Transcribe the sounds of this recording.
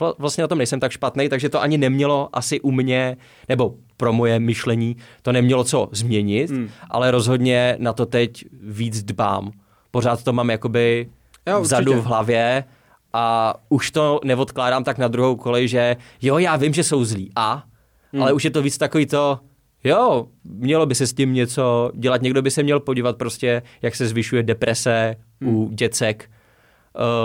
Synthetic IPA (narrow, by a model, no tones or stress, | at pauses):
vlast̪ɲɛnat̪omnɛjsɛmt̪akʃpat̪nɛjt̪aɡʒɛt̪oʔaɲɪnɛmɲɛlo̞ʔasɪʔumɲɛ | nɛbo̞ | pɾo̞mo̞jɛmɪʃlɛɲiːt̪o̞nɛmɲɛlo̞t͡so̞zmɲɛɲɪt̪ʔa̰lɛɾo̞zɦo̞dɲɛnat̪o̞t̪ɛcviːd͡zdba̰ːm | po̞ɾaːt̪t̪omaːmjako̞bɪ | vzaduvɦlavjɛ | ʔauʃt̪o̞nɛvo̞t̪klaːdaːmt̪aknad̪ɾuɦowko̞lɪʒɛjojaːvɪmʒɛso̞wzliːʔa | ʔalɛuʃjɛt̪oviːt͡st̪akoviːt̪o̞ | jomɲɛlo̞bɪsɛscɪmɲɛt͡so̞ɟɛlat̪ɲɛɡdo̞bɪsɛmɲɛlpoɟiːvat̪̚pɾoscɛjaksɛzvɪʃujɛdɛpɾʔɛsɛ | uɟɛt͡sɛkː